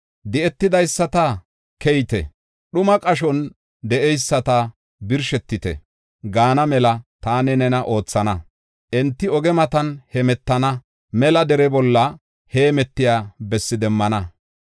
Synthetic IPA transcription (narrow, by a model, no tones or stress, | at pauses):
d̪ɪɛt̪ːɪd̪ɐjsːɐt̪ɐ | kɛjt̪ɛ̰ | ɗʊmɐkʼɐʃɔn | d̪ɛʔɛjsːɐt̪ɐ | bɪɾʃɛt̪ːɪt̪ɛ̰ | ɡaːnɐmɛlɐt̪aːnɛnɛnɐʔo̞ːt͡sːɐnɐ | ʔɛnt̪ːɪɔɡɛmɐt̪ɐnhɛmɛt̪ːɐnɐ | mɛlɐd̪ɛɾɛbɔlːɐ | heːmɛt̪ːɪjaːbɛsːɪd̪ɛmːɐnɐ